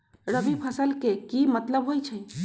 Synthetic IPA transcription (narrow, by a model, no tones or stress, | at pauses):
ɾəbipʰəsəlkekimət̪ləbɦojt͡ʃʰə